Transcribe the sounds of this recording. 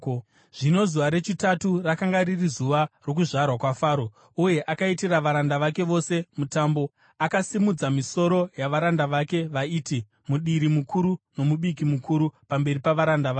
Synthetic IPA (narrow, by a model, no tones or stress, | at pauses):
ʐ̥ino̞zuʋaɾe̞t͡ʃitaturakaŋɡaɾirizuʋaro̞kuʐarwakwafaːɾo | uje̞ʔakaitiraʋaɾandaʋake̞ʋo̞se̞mutaːmbo̞ | akasimud͡zamiso̞ɾo̞jaʋaɾandaʋake̞ʋaiːti | muɗiɾimukʰuɾuno̞muɓikimukuɾupambe̞ɾipaʋaɾandaʋaː